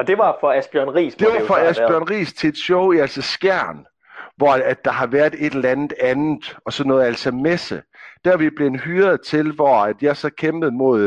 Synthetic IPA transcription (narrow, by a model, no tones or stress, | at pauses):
d̥e̝ʋɑ̈fɒ̽æsb̥jœɐnʁḭːsd̥e̝ʋɑ̈fɒ̽æsbjɶɐ̰nʁḭːst͡sʰe̝e̝d̥ɕɔʊiæl̰sɒsɡ̥æɐ̰n | ʋɒæd̥ɑ̈ɦɑ̈ʋæɐð̥ˠe̝d̥eelænð̩ˠænð̩ˠɒ̽sɒ̽nːɔ̽ːð̩ˠælsɒmesəd̥æɐʋib̥le̝nhyːɐðˠt͡sʰe̝lʋɒæd̥jɑ̈ɐsɒ̽kʰemb̥ð̩ˠmo̝ðˠ